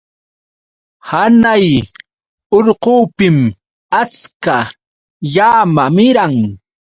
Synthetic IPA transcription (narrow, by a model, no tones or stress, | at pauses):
hanaj | oɾquːpɪm | at͡ska | jaːmamɪɾaŋ